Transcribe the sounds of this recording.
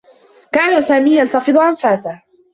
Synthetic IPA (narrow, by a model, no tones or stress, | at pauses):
kaːnasaːmiːjalt̪ɑfɨd̪ˤʊʔanfaːsah